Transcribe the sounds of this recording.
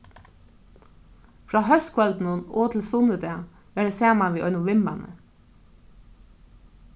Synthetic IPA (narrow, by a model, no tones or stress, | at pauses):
fɾɑːhœst̪kʰʋœld̪n̩unoːt̪ʰl̩sʊnəd̪eː | ʋeːɖəseːmɑʋiːʔœʏnʊʋɪmænʔə̰